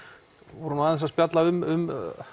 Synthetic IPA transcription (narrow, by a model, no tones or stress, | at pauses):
vɔɾʏmaːðɪns̬aspjat̪laʏmʏm